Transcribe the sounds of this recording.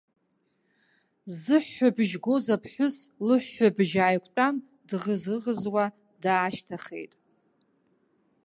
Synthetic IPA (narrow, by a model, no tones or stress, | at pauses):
zɨħːabʒɡʷozapʰħʷᶣʊslɨħːabʒaːjkʷʼtʷʼan | dʁəzɨʁəzwa | daːʃtʰaχḛjtʼ